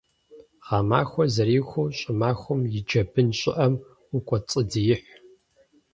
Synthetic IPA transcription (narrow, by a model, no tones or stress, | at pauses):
ʁɑːmaːxʷɔzɐɾiːxʷʊɕʼɪmaːxʷʊmjɪd͡ʒɐbɨnɕʼɪ̰ʔɐm | ʊkʷʼɔt͡sʼɨdijɪħʷ